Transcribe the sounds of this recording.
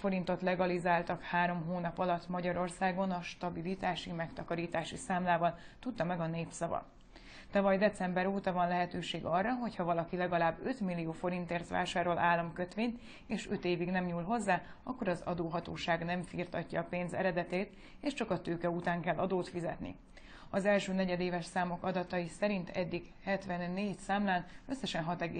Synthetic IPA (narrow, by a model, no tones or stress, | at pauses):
fo̞ɾint̪o̞t̪lɛɡɒlizaːlt̪ɒkhaːɾo̞mɦoːnɒpɒlɒt̪ːmɒɟɒɾo̞rsaːɡo̞nɒʃt̪ɒbilit̪aːʃimɛkt̪ɒkɒɾiːt̪aːʃisaːmlaːvɒlt̪ut̪ːɒmɛɡɒneːpsɒvɒ̰ | t̪ɒvɒjd̪ɛt̪sɛmbɛɾoːt̪ɒvɒnlɛɦɛt̪øːʃeːɡɒrːɒɦo̞chɒvɒlɒkilɛɡɒlaːbːø̞t̪milːijoːfo̞ɾint̪eːrt̪ʋa̰ːʃaːɾo̞lʔaːlːɒmkøt̪ʋeːɲt̪ | eːʃø̞t̪eːviɡnɛmɲuːlɦo̞zːaː | ɒ̰kːo̞ɾɒzɒ̰d̪oːɦɒt̪oːʃaːɡnɛɱfiːrt̪ɒcːɒːpeːnzɛ̰ɾɛd̪ɛt̪eːt̪ | eːʃt͡ʃɒkɒt̪øːkɛut̪aːŋkɛlːʔɒd̪oːt̪fizɛt̪nḭ | ɒzɛlʃøːnɛɟɛd̪eːvɛʃsaːmo̞kɒd̪ɒt̪ɒjisɛɾint̪ʰɛ̰d̪ːiɡ | hɛt̪ʋɛnːeːcsaːmlaːnø̞sːɛʃɛnɦɒt̪ɛɡḛː